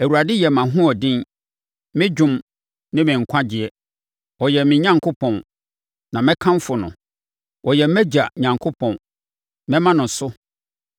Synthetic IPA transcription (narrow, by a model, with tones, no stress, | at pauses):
æ˨wu˨ɾa˨dɪ˦jɛ˨mã˨ɦʊ̃˦ɔ˨dɪ̃˦n | mɪ̃˦d͡ʑᶣʊ̃˦m | nɪ̃˦mɪ̃˨ŋ̩˨kʷʰã˦d͡ʑɪ˨ɛ˦ | wɔ˨jɛ˨mɪ̃˨ɲã˦ŋkʰo˦pʰɔ̃˨n | nã˨mɪ̃˦kʰã˦m˦fʊ˨nʊ̰̃˨ | wʔɔ˨jɛ˨m˦mɛ˦d͡ʑa˨ɲã˨ŋkʰo˦pʰɔ̃˨n | mɛ̃˦mã˦nʊ̃˨sʊ˦